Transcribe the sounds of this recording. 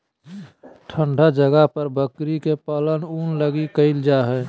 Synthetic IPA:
ʈʰəɳɖʱad͡ʒəɡaɦpəɾbəkɾikepələnuːnləɡikəɪld͡ʒaɦɛ

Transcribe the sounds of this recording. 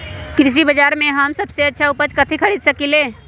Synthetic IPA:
kɾɪs̬ibɐd͡ʒaːɾmẽɦɐmsɐbseɐtːʃʰaʊpət͡ʃkɐt̪ʰikʰɐɽiːd̪sɐkileː

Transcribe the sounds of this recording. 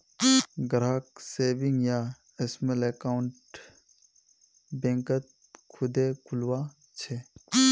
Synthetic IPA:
ɡɾaːkseːbĩŋɡja | esmelekaʊɳʈ | bẽːŋkət̪̚ | kʰʊd̪ekʰʊlwa | t͡ʃʰe

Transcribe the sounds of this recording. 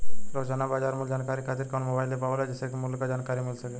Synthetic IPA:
ɾod͡ʒanabaːd͡ʒaɾmuld͡ʒaːnkaɾikʰat̪iɾkonmobaɪld̪epaʋlad͡ʒəsekmulkad͡ʒankaɾimɪlsəke

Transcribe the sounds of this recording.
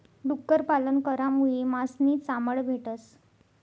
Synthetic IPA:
ɖukːəɾpalənkəɾamuɭemasniːt͡saməɭbʱeʈəs

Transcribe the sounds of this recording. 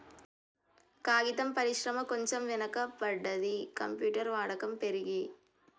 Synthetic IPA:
kaːɣɪt̪ɐmpɐɾɪʃɾɐmɐkɔɲd͡ʒɐmʋɪnɐkːɐpːɐɽːɐðikɐmpjuːʈːɐɾʋaːɽɐkːɐmpɛɾɯɣi

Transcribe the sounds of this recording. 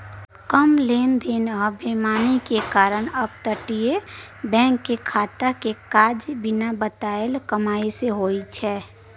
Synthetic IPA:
kəmleːnd̪enɔbʱemaːnikekaːɾəñəb̚t̪əʈie | bɛ̃ːŋkːekʰaːt̪əkekaːd͡ʒbɪnabət̪aːelkəmaːiseɦoːit͡ʃʰɛː

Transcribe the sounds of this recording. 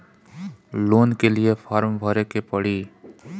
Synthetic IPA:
loːnkeliepʰaːɾmbʱəɾekepɐɽiː

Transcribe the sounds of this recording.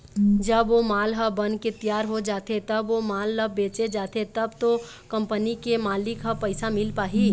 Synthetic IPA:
d͡ʒəbʋomaːlɦəbənket̪ijaːɾɦod͡ʒaːt̪et̪ɐbʋomaːlːəbeːt͡ʃed͡ʒaːt̪et̪ɐbt̪o | kə̃mpənikemaːlɪkɦəpəɪsamɪlpaːɦi

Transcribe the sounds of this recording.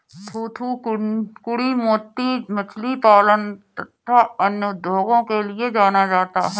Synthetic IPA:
t̪ʰuːt̪ʰukkʊɽimoːt̪ːimɐt͡ʃʰlipaːlənt̪ət̪ʰːaɐnjəd̪ʱoːɡõkelied͡ʒaːnad͡ʒaːt̪a̰ɦɛː

